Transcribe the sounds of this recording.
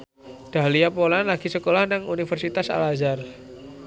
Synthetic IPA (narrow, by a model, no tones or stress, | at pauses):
ɖ̪̥a̤ɦliapolanlaɡ̥isəkolahnaŋunifərsit̪asa̰lazar